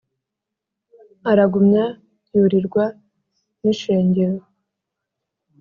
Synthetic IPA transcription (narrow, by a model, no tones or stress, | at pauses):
aɾaɡumɲa | juɾiɾɡwa | niʃe̞ːɲɟe̞ɾo